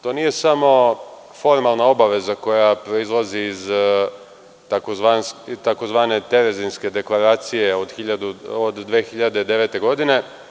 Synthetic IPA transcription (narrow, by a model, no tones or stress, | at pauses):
t̪o̞ːnije̞samo̞ | fo̞ɾmalˠnao̞baʋe̞zako̞japɾo̞izlˠaziːz | t̪akozʋant̪ako̞zʋaːne̞t̪e̞ɾe̞zinske̞d̪e̞klˠaɾaːt̪sije̞od̪xiʎad̪uod̪ːʋeːxiʎad̪ed̪e̞ʋe̞t̪e̞ɡo̞d̪ine̞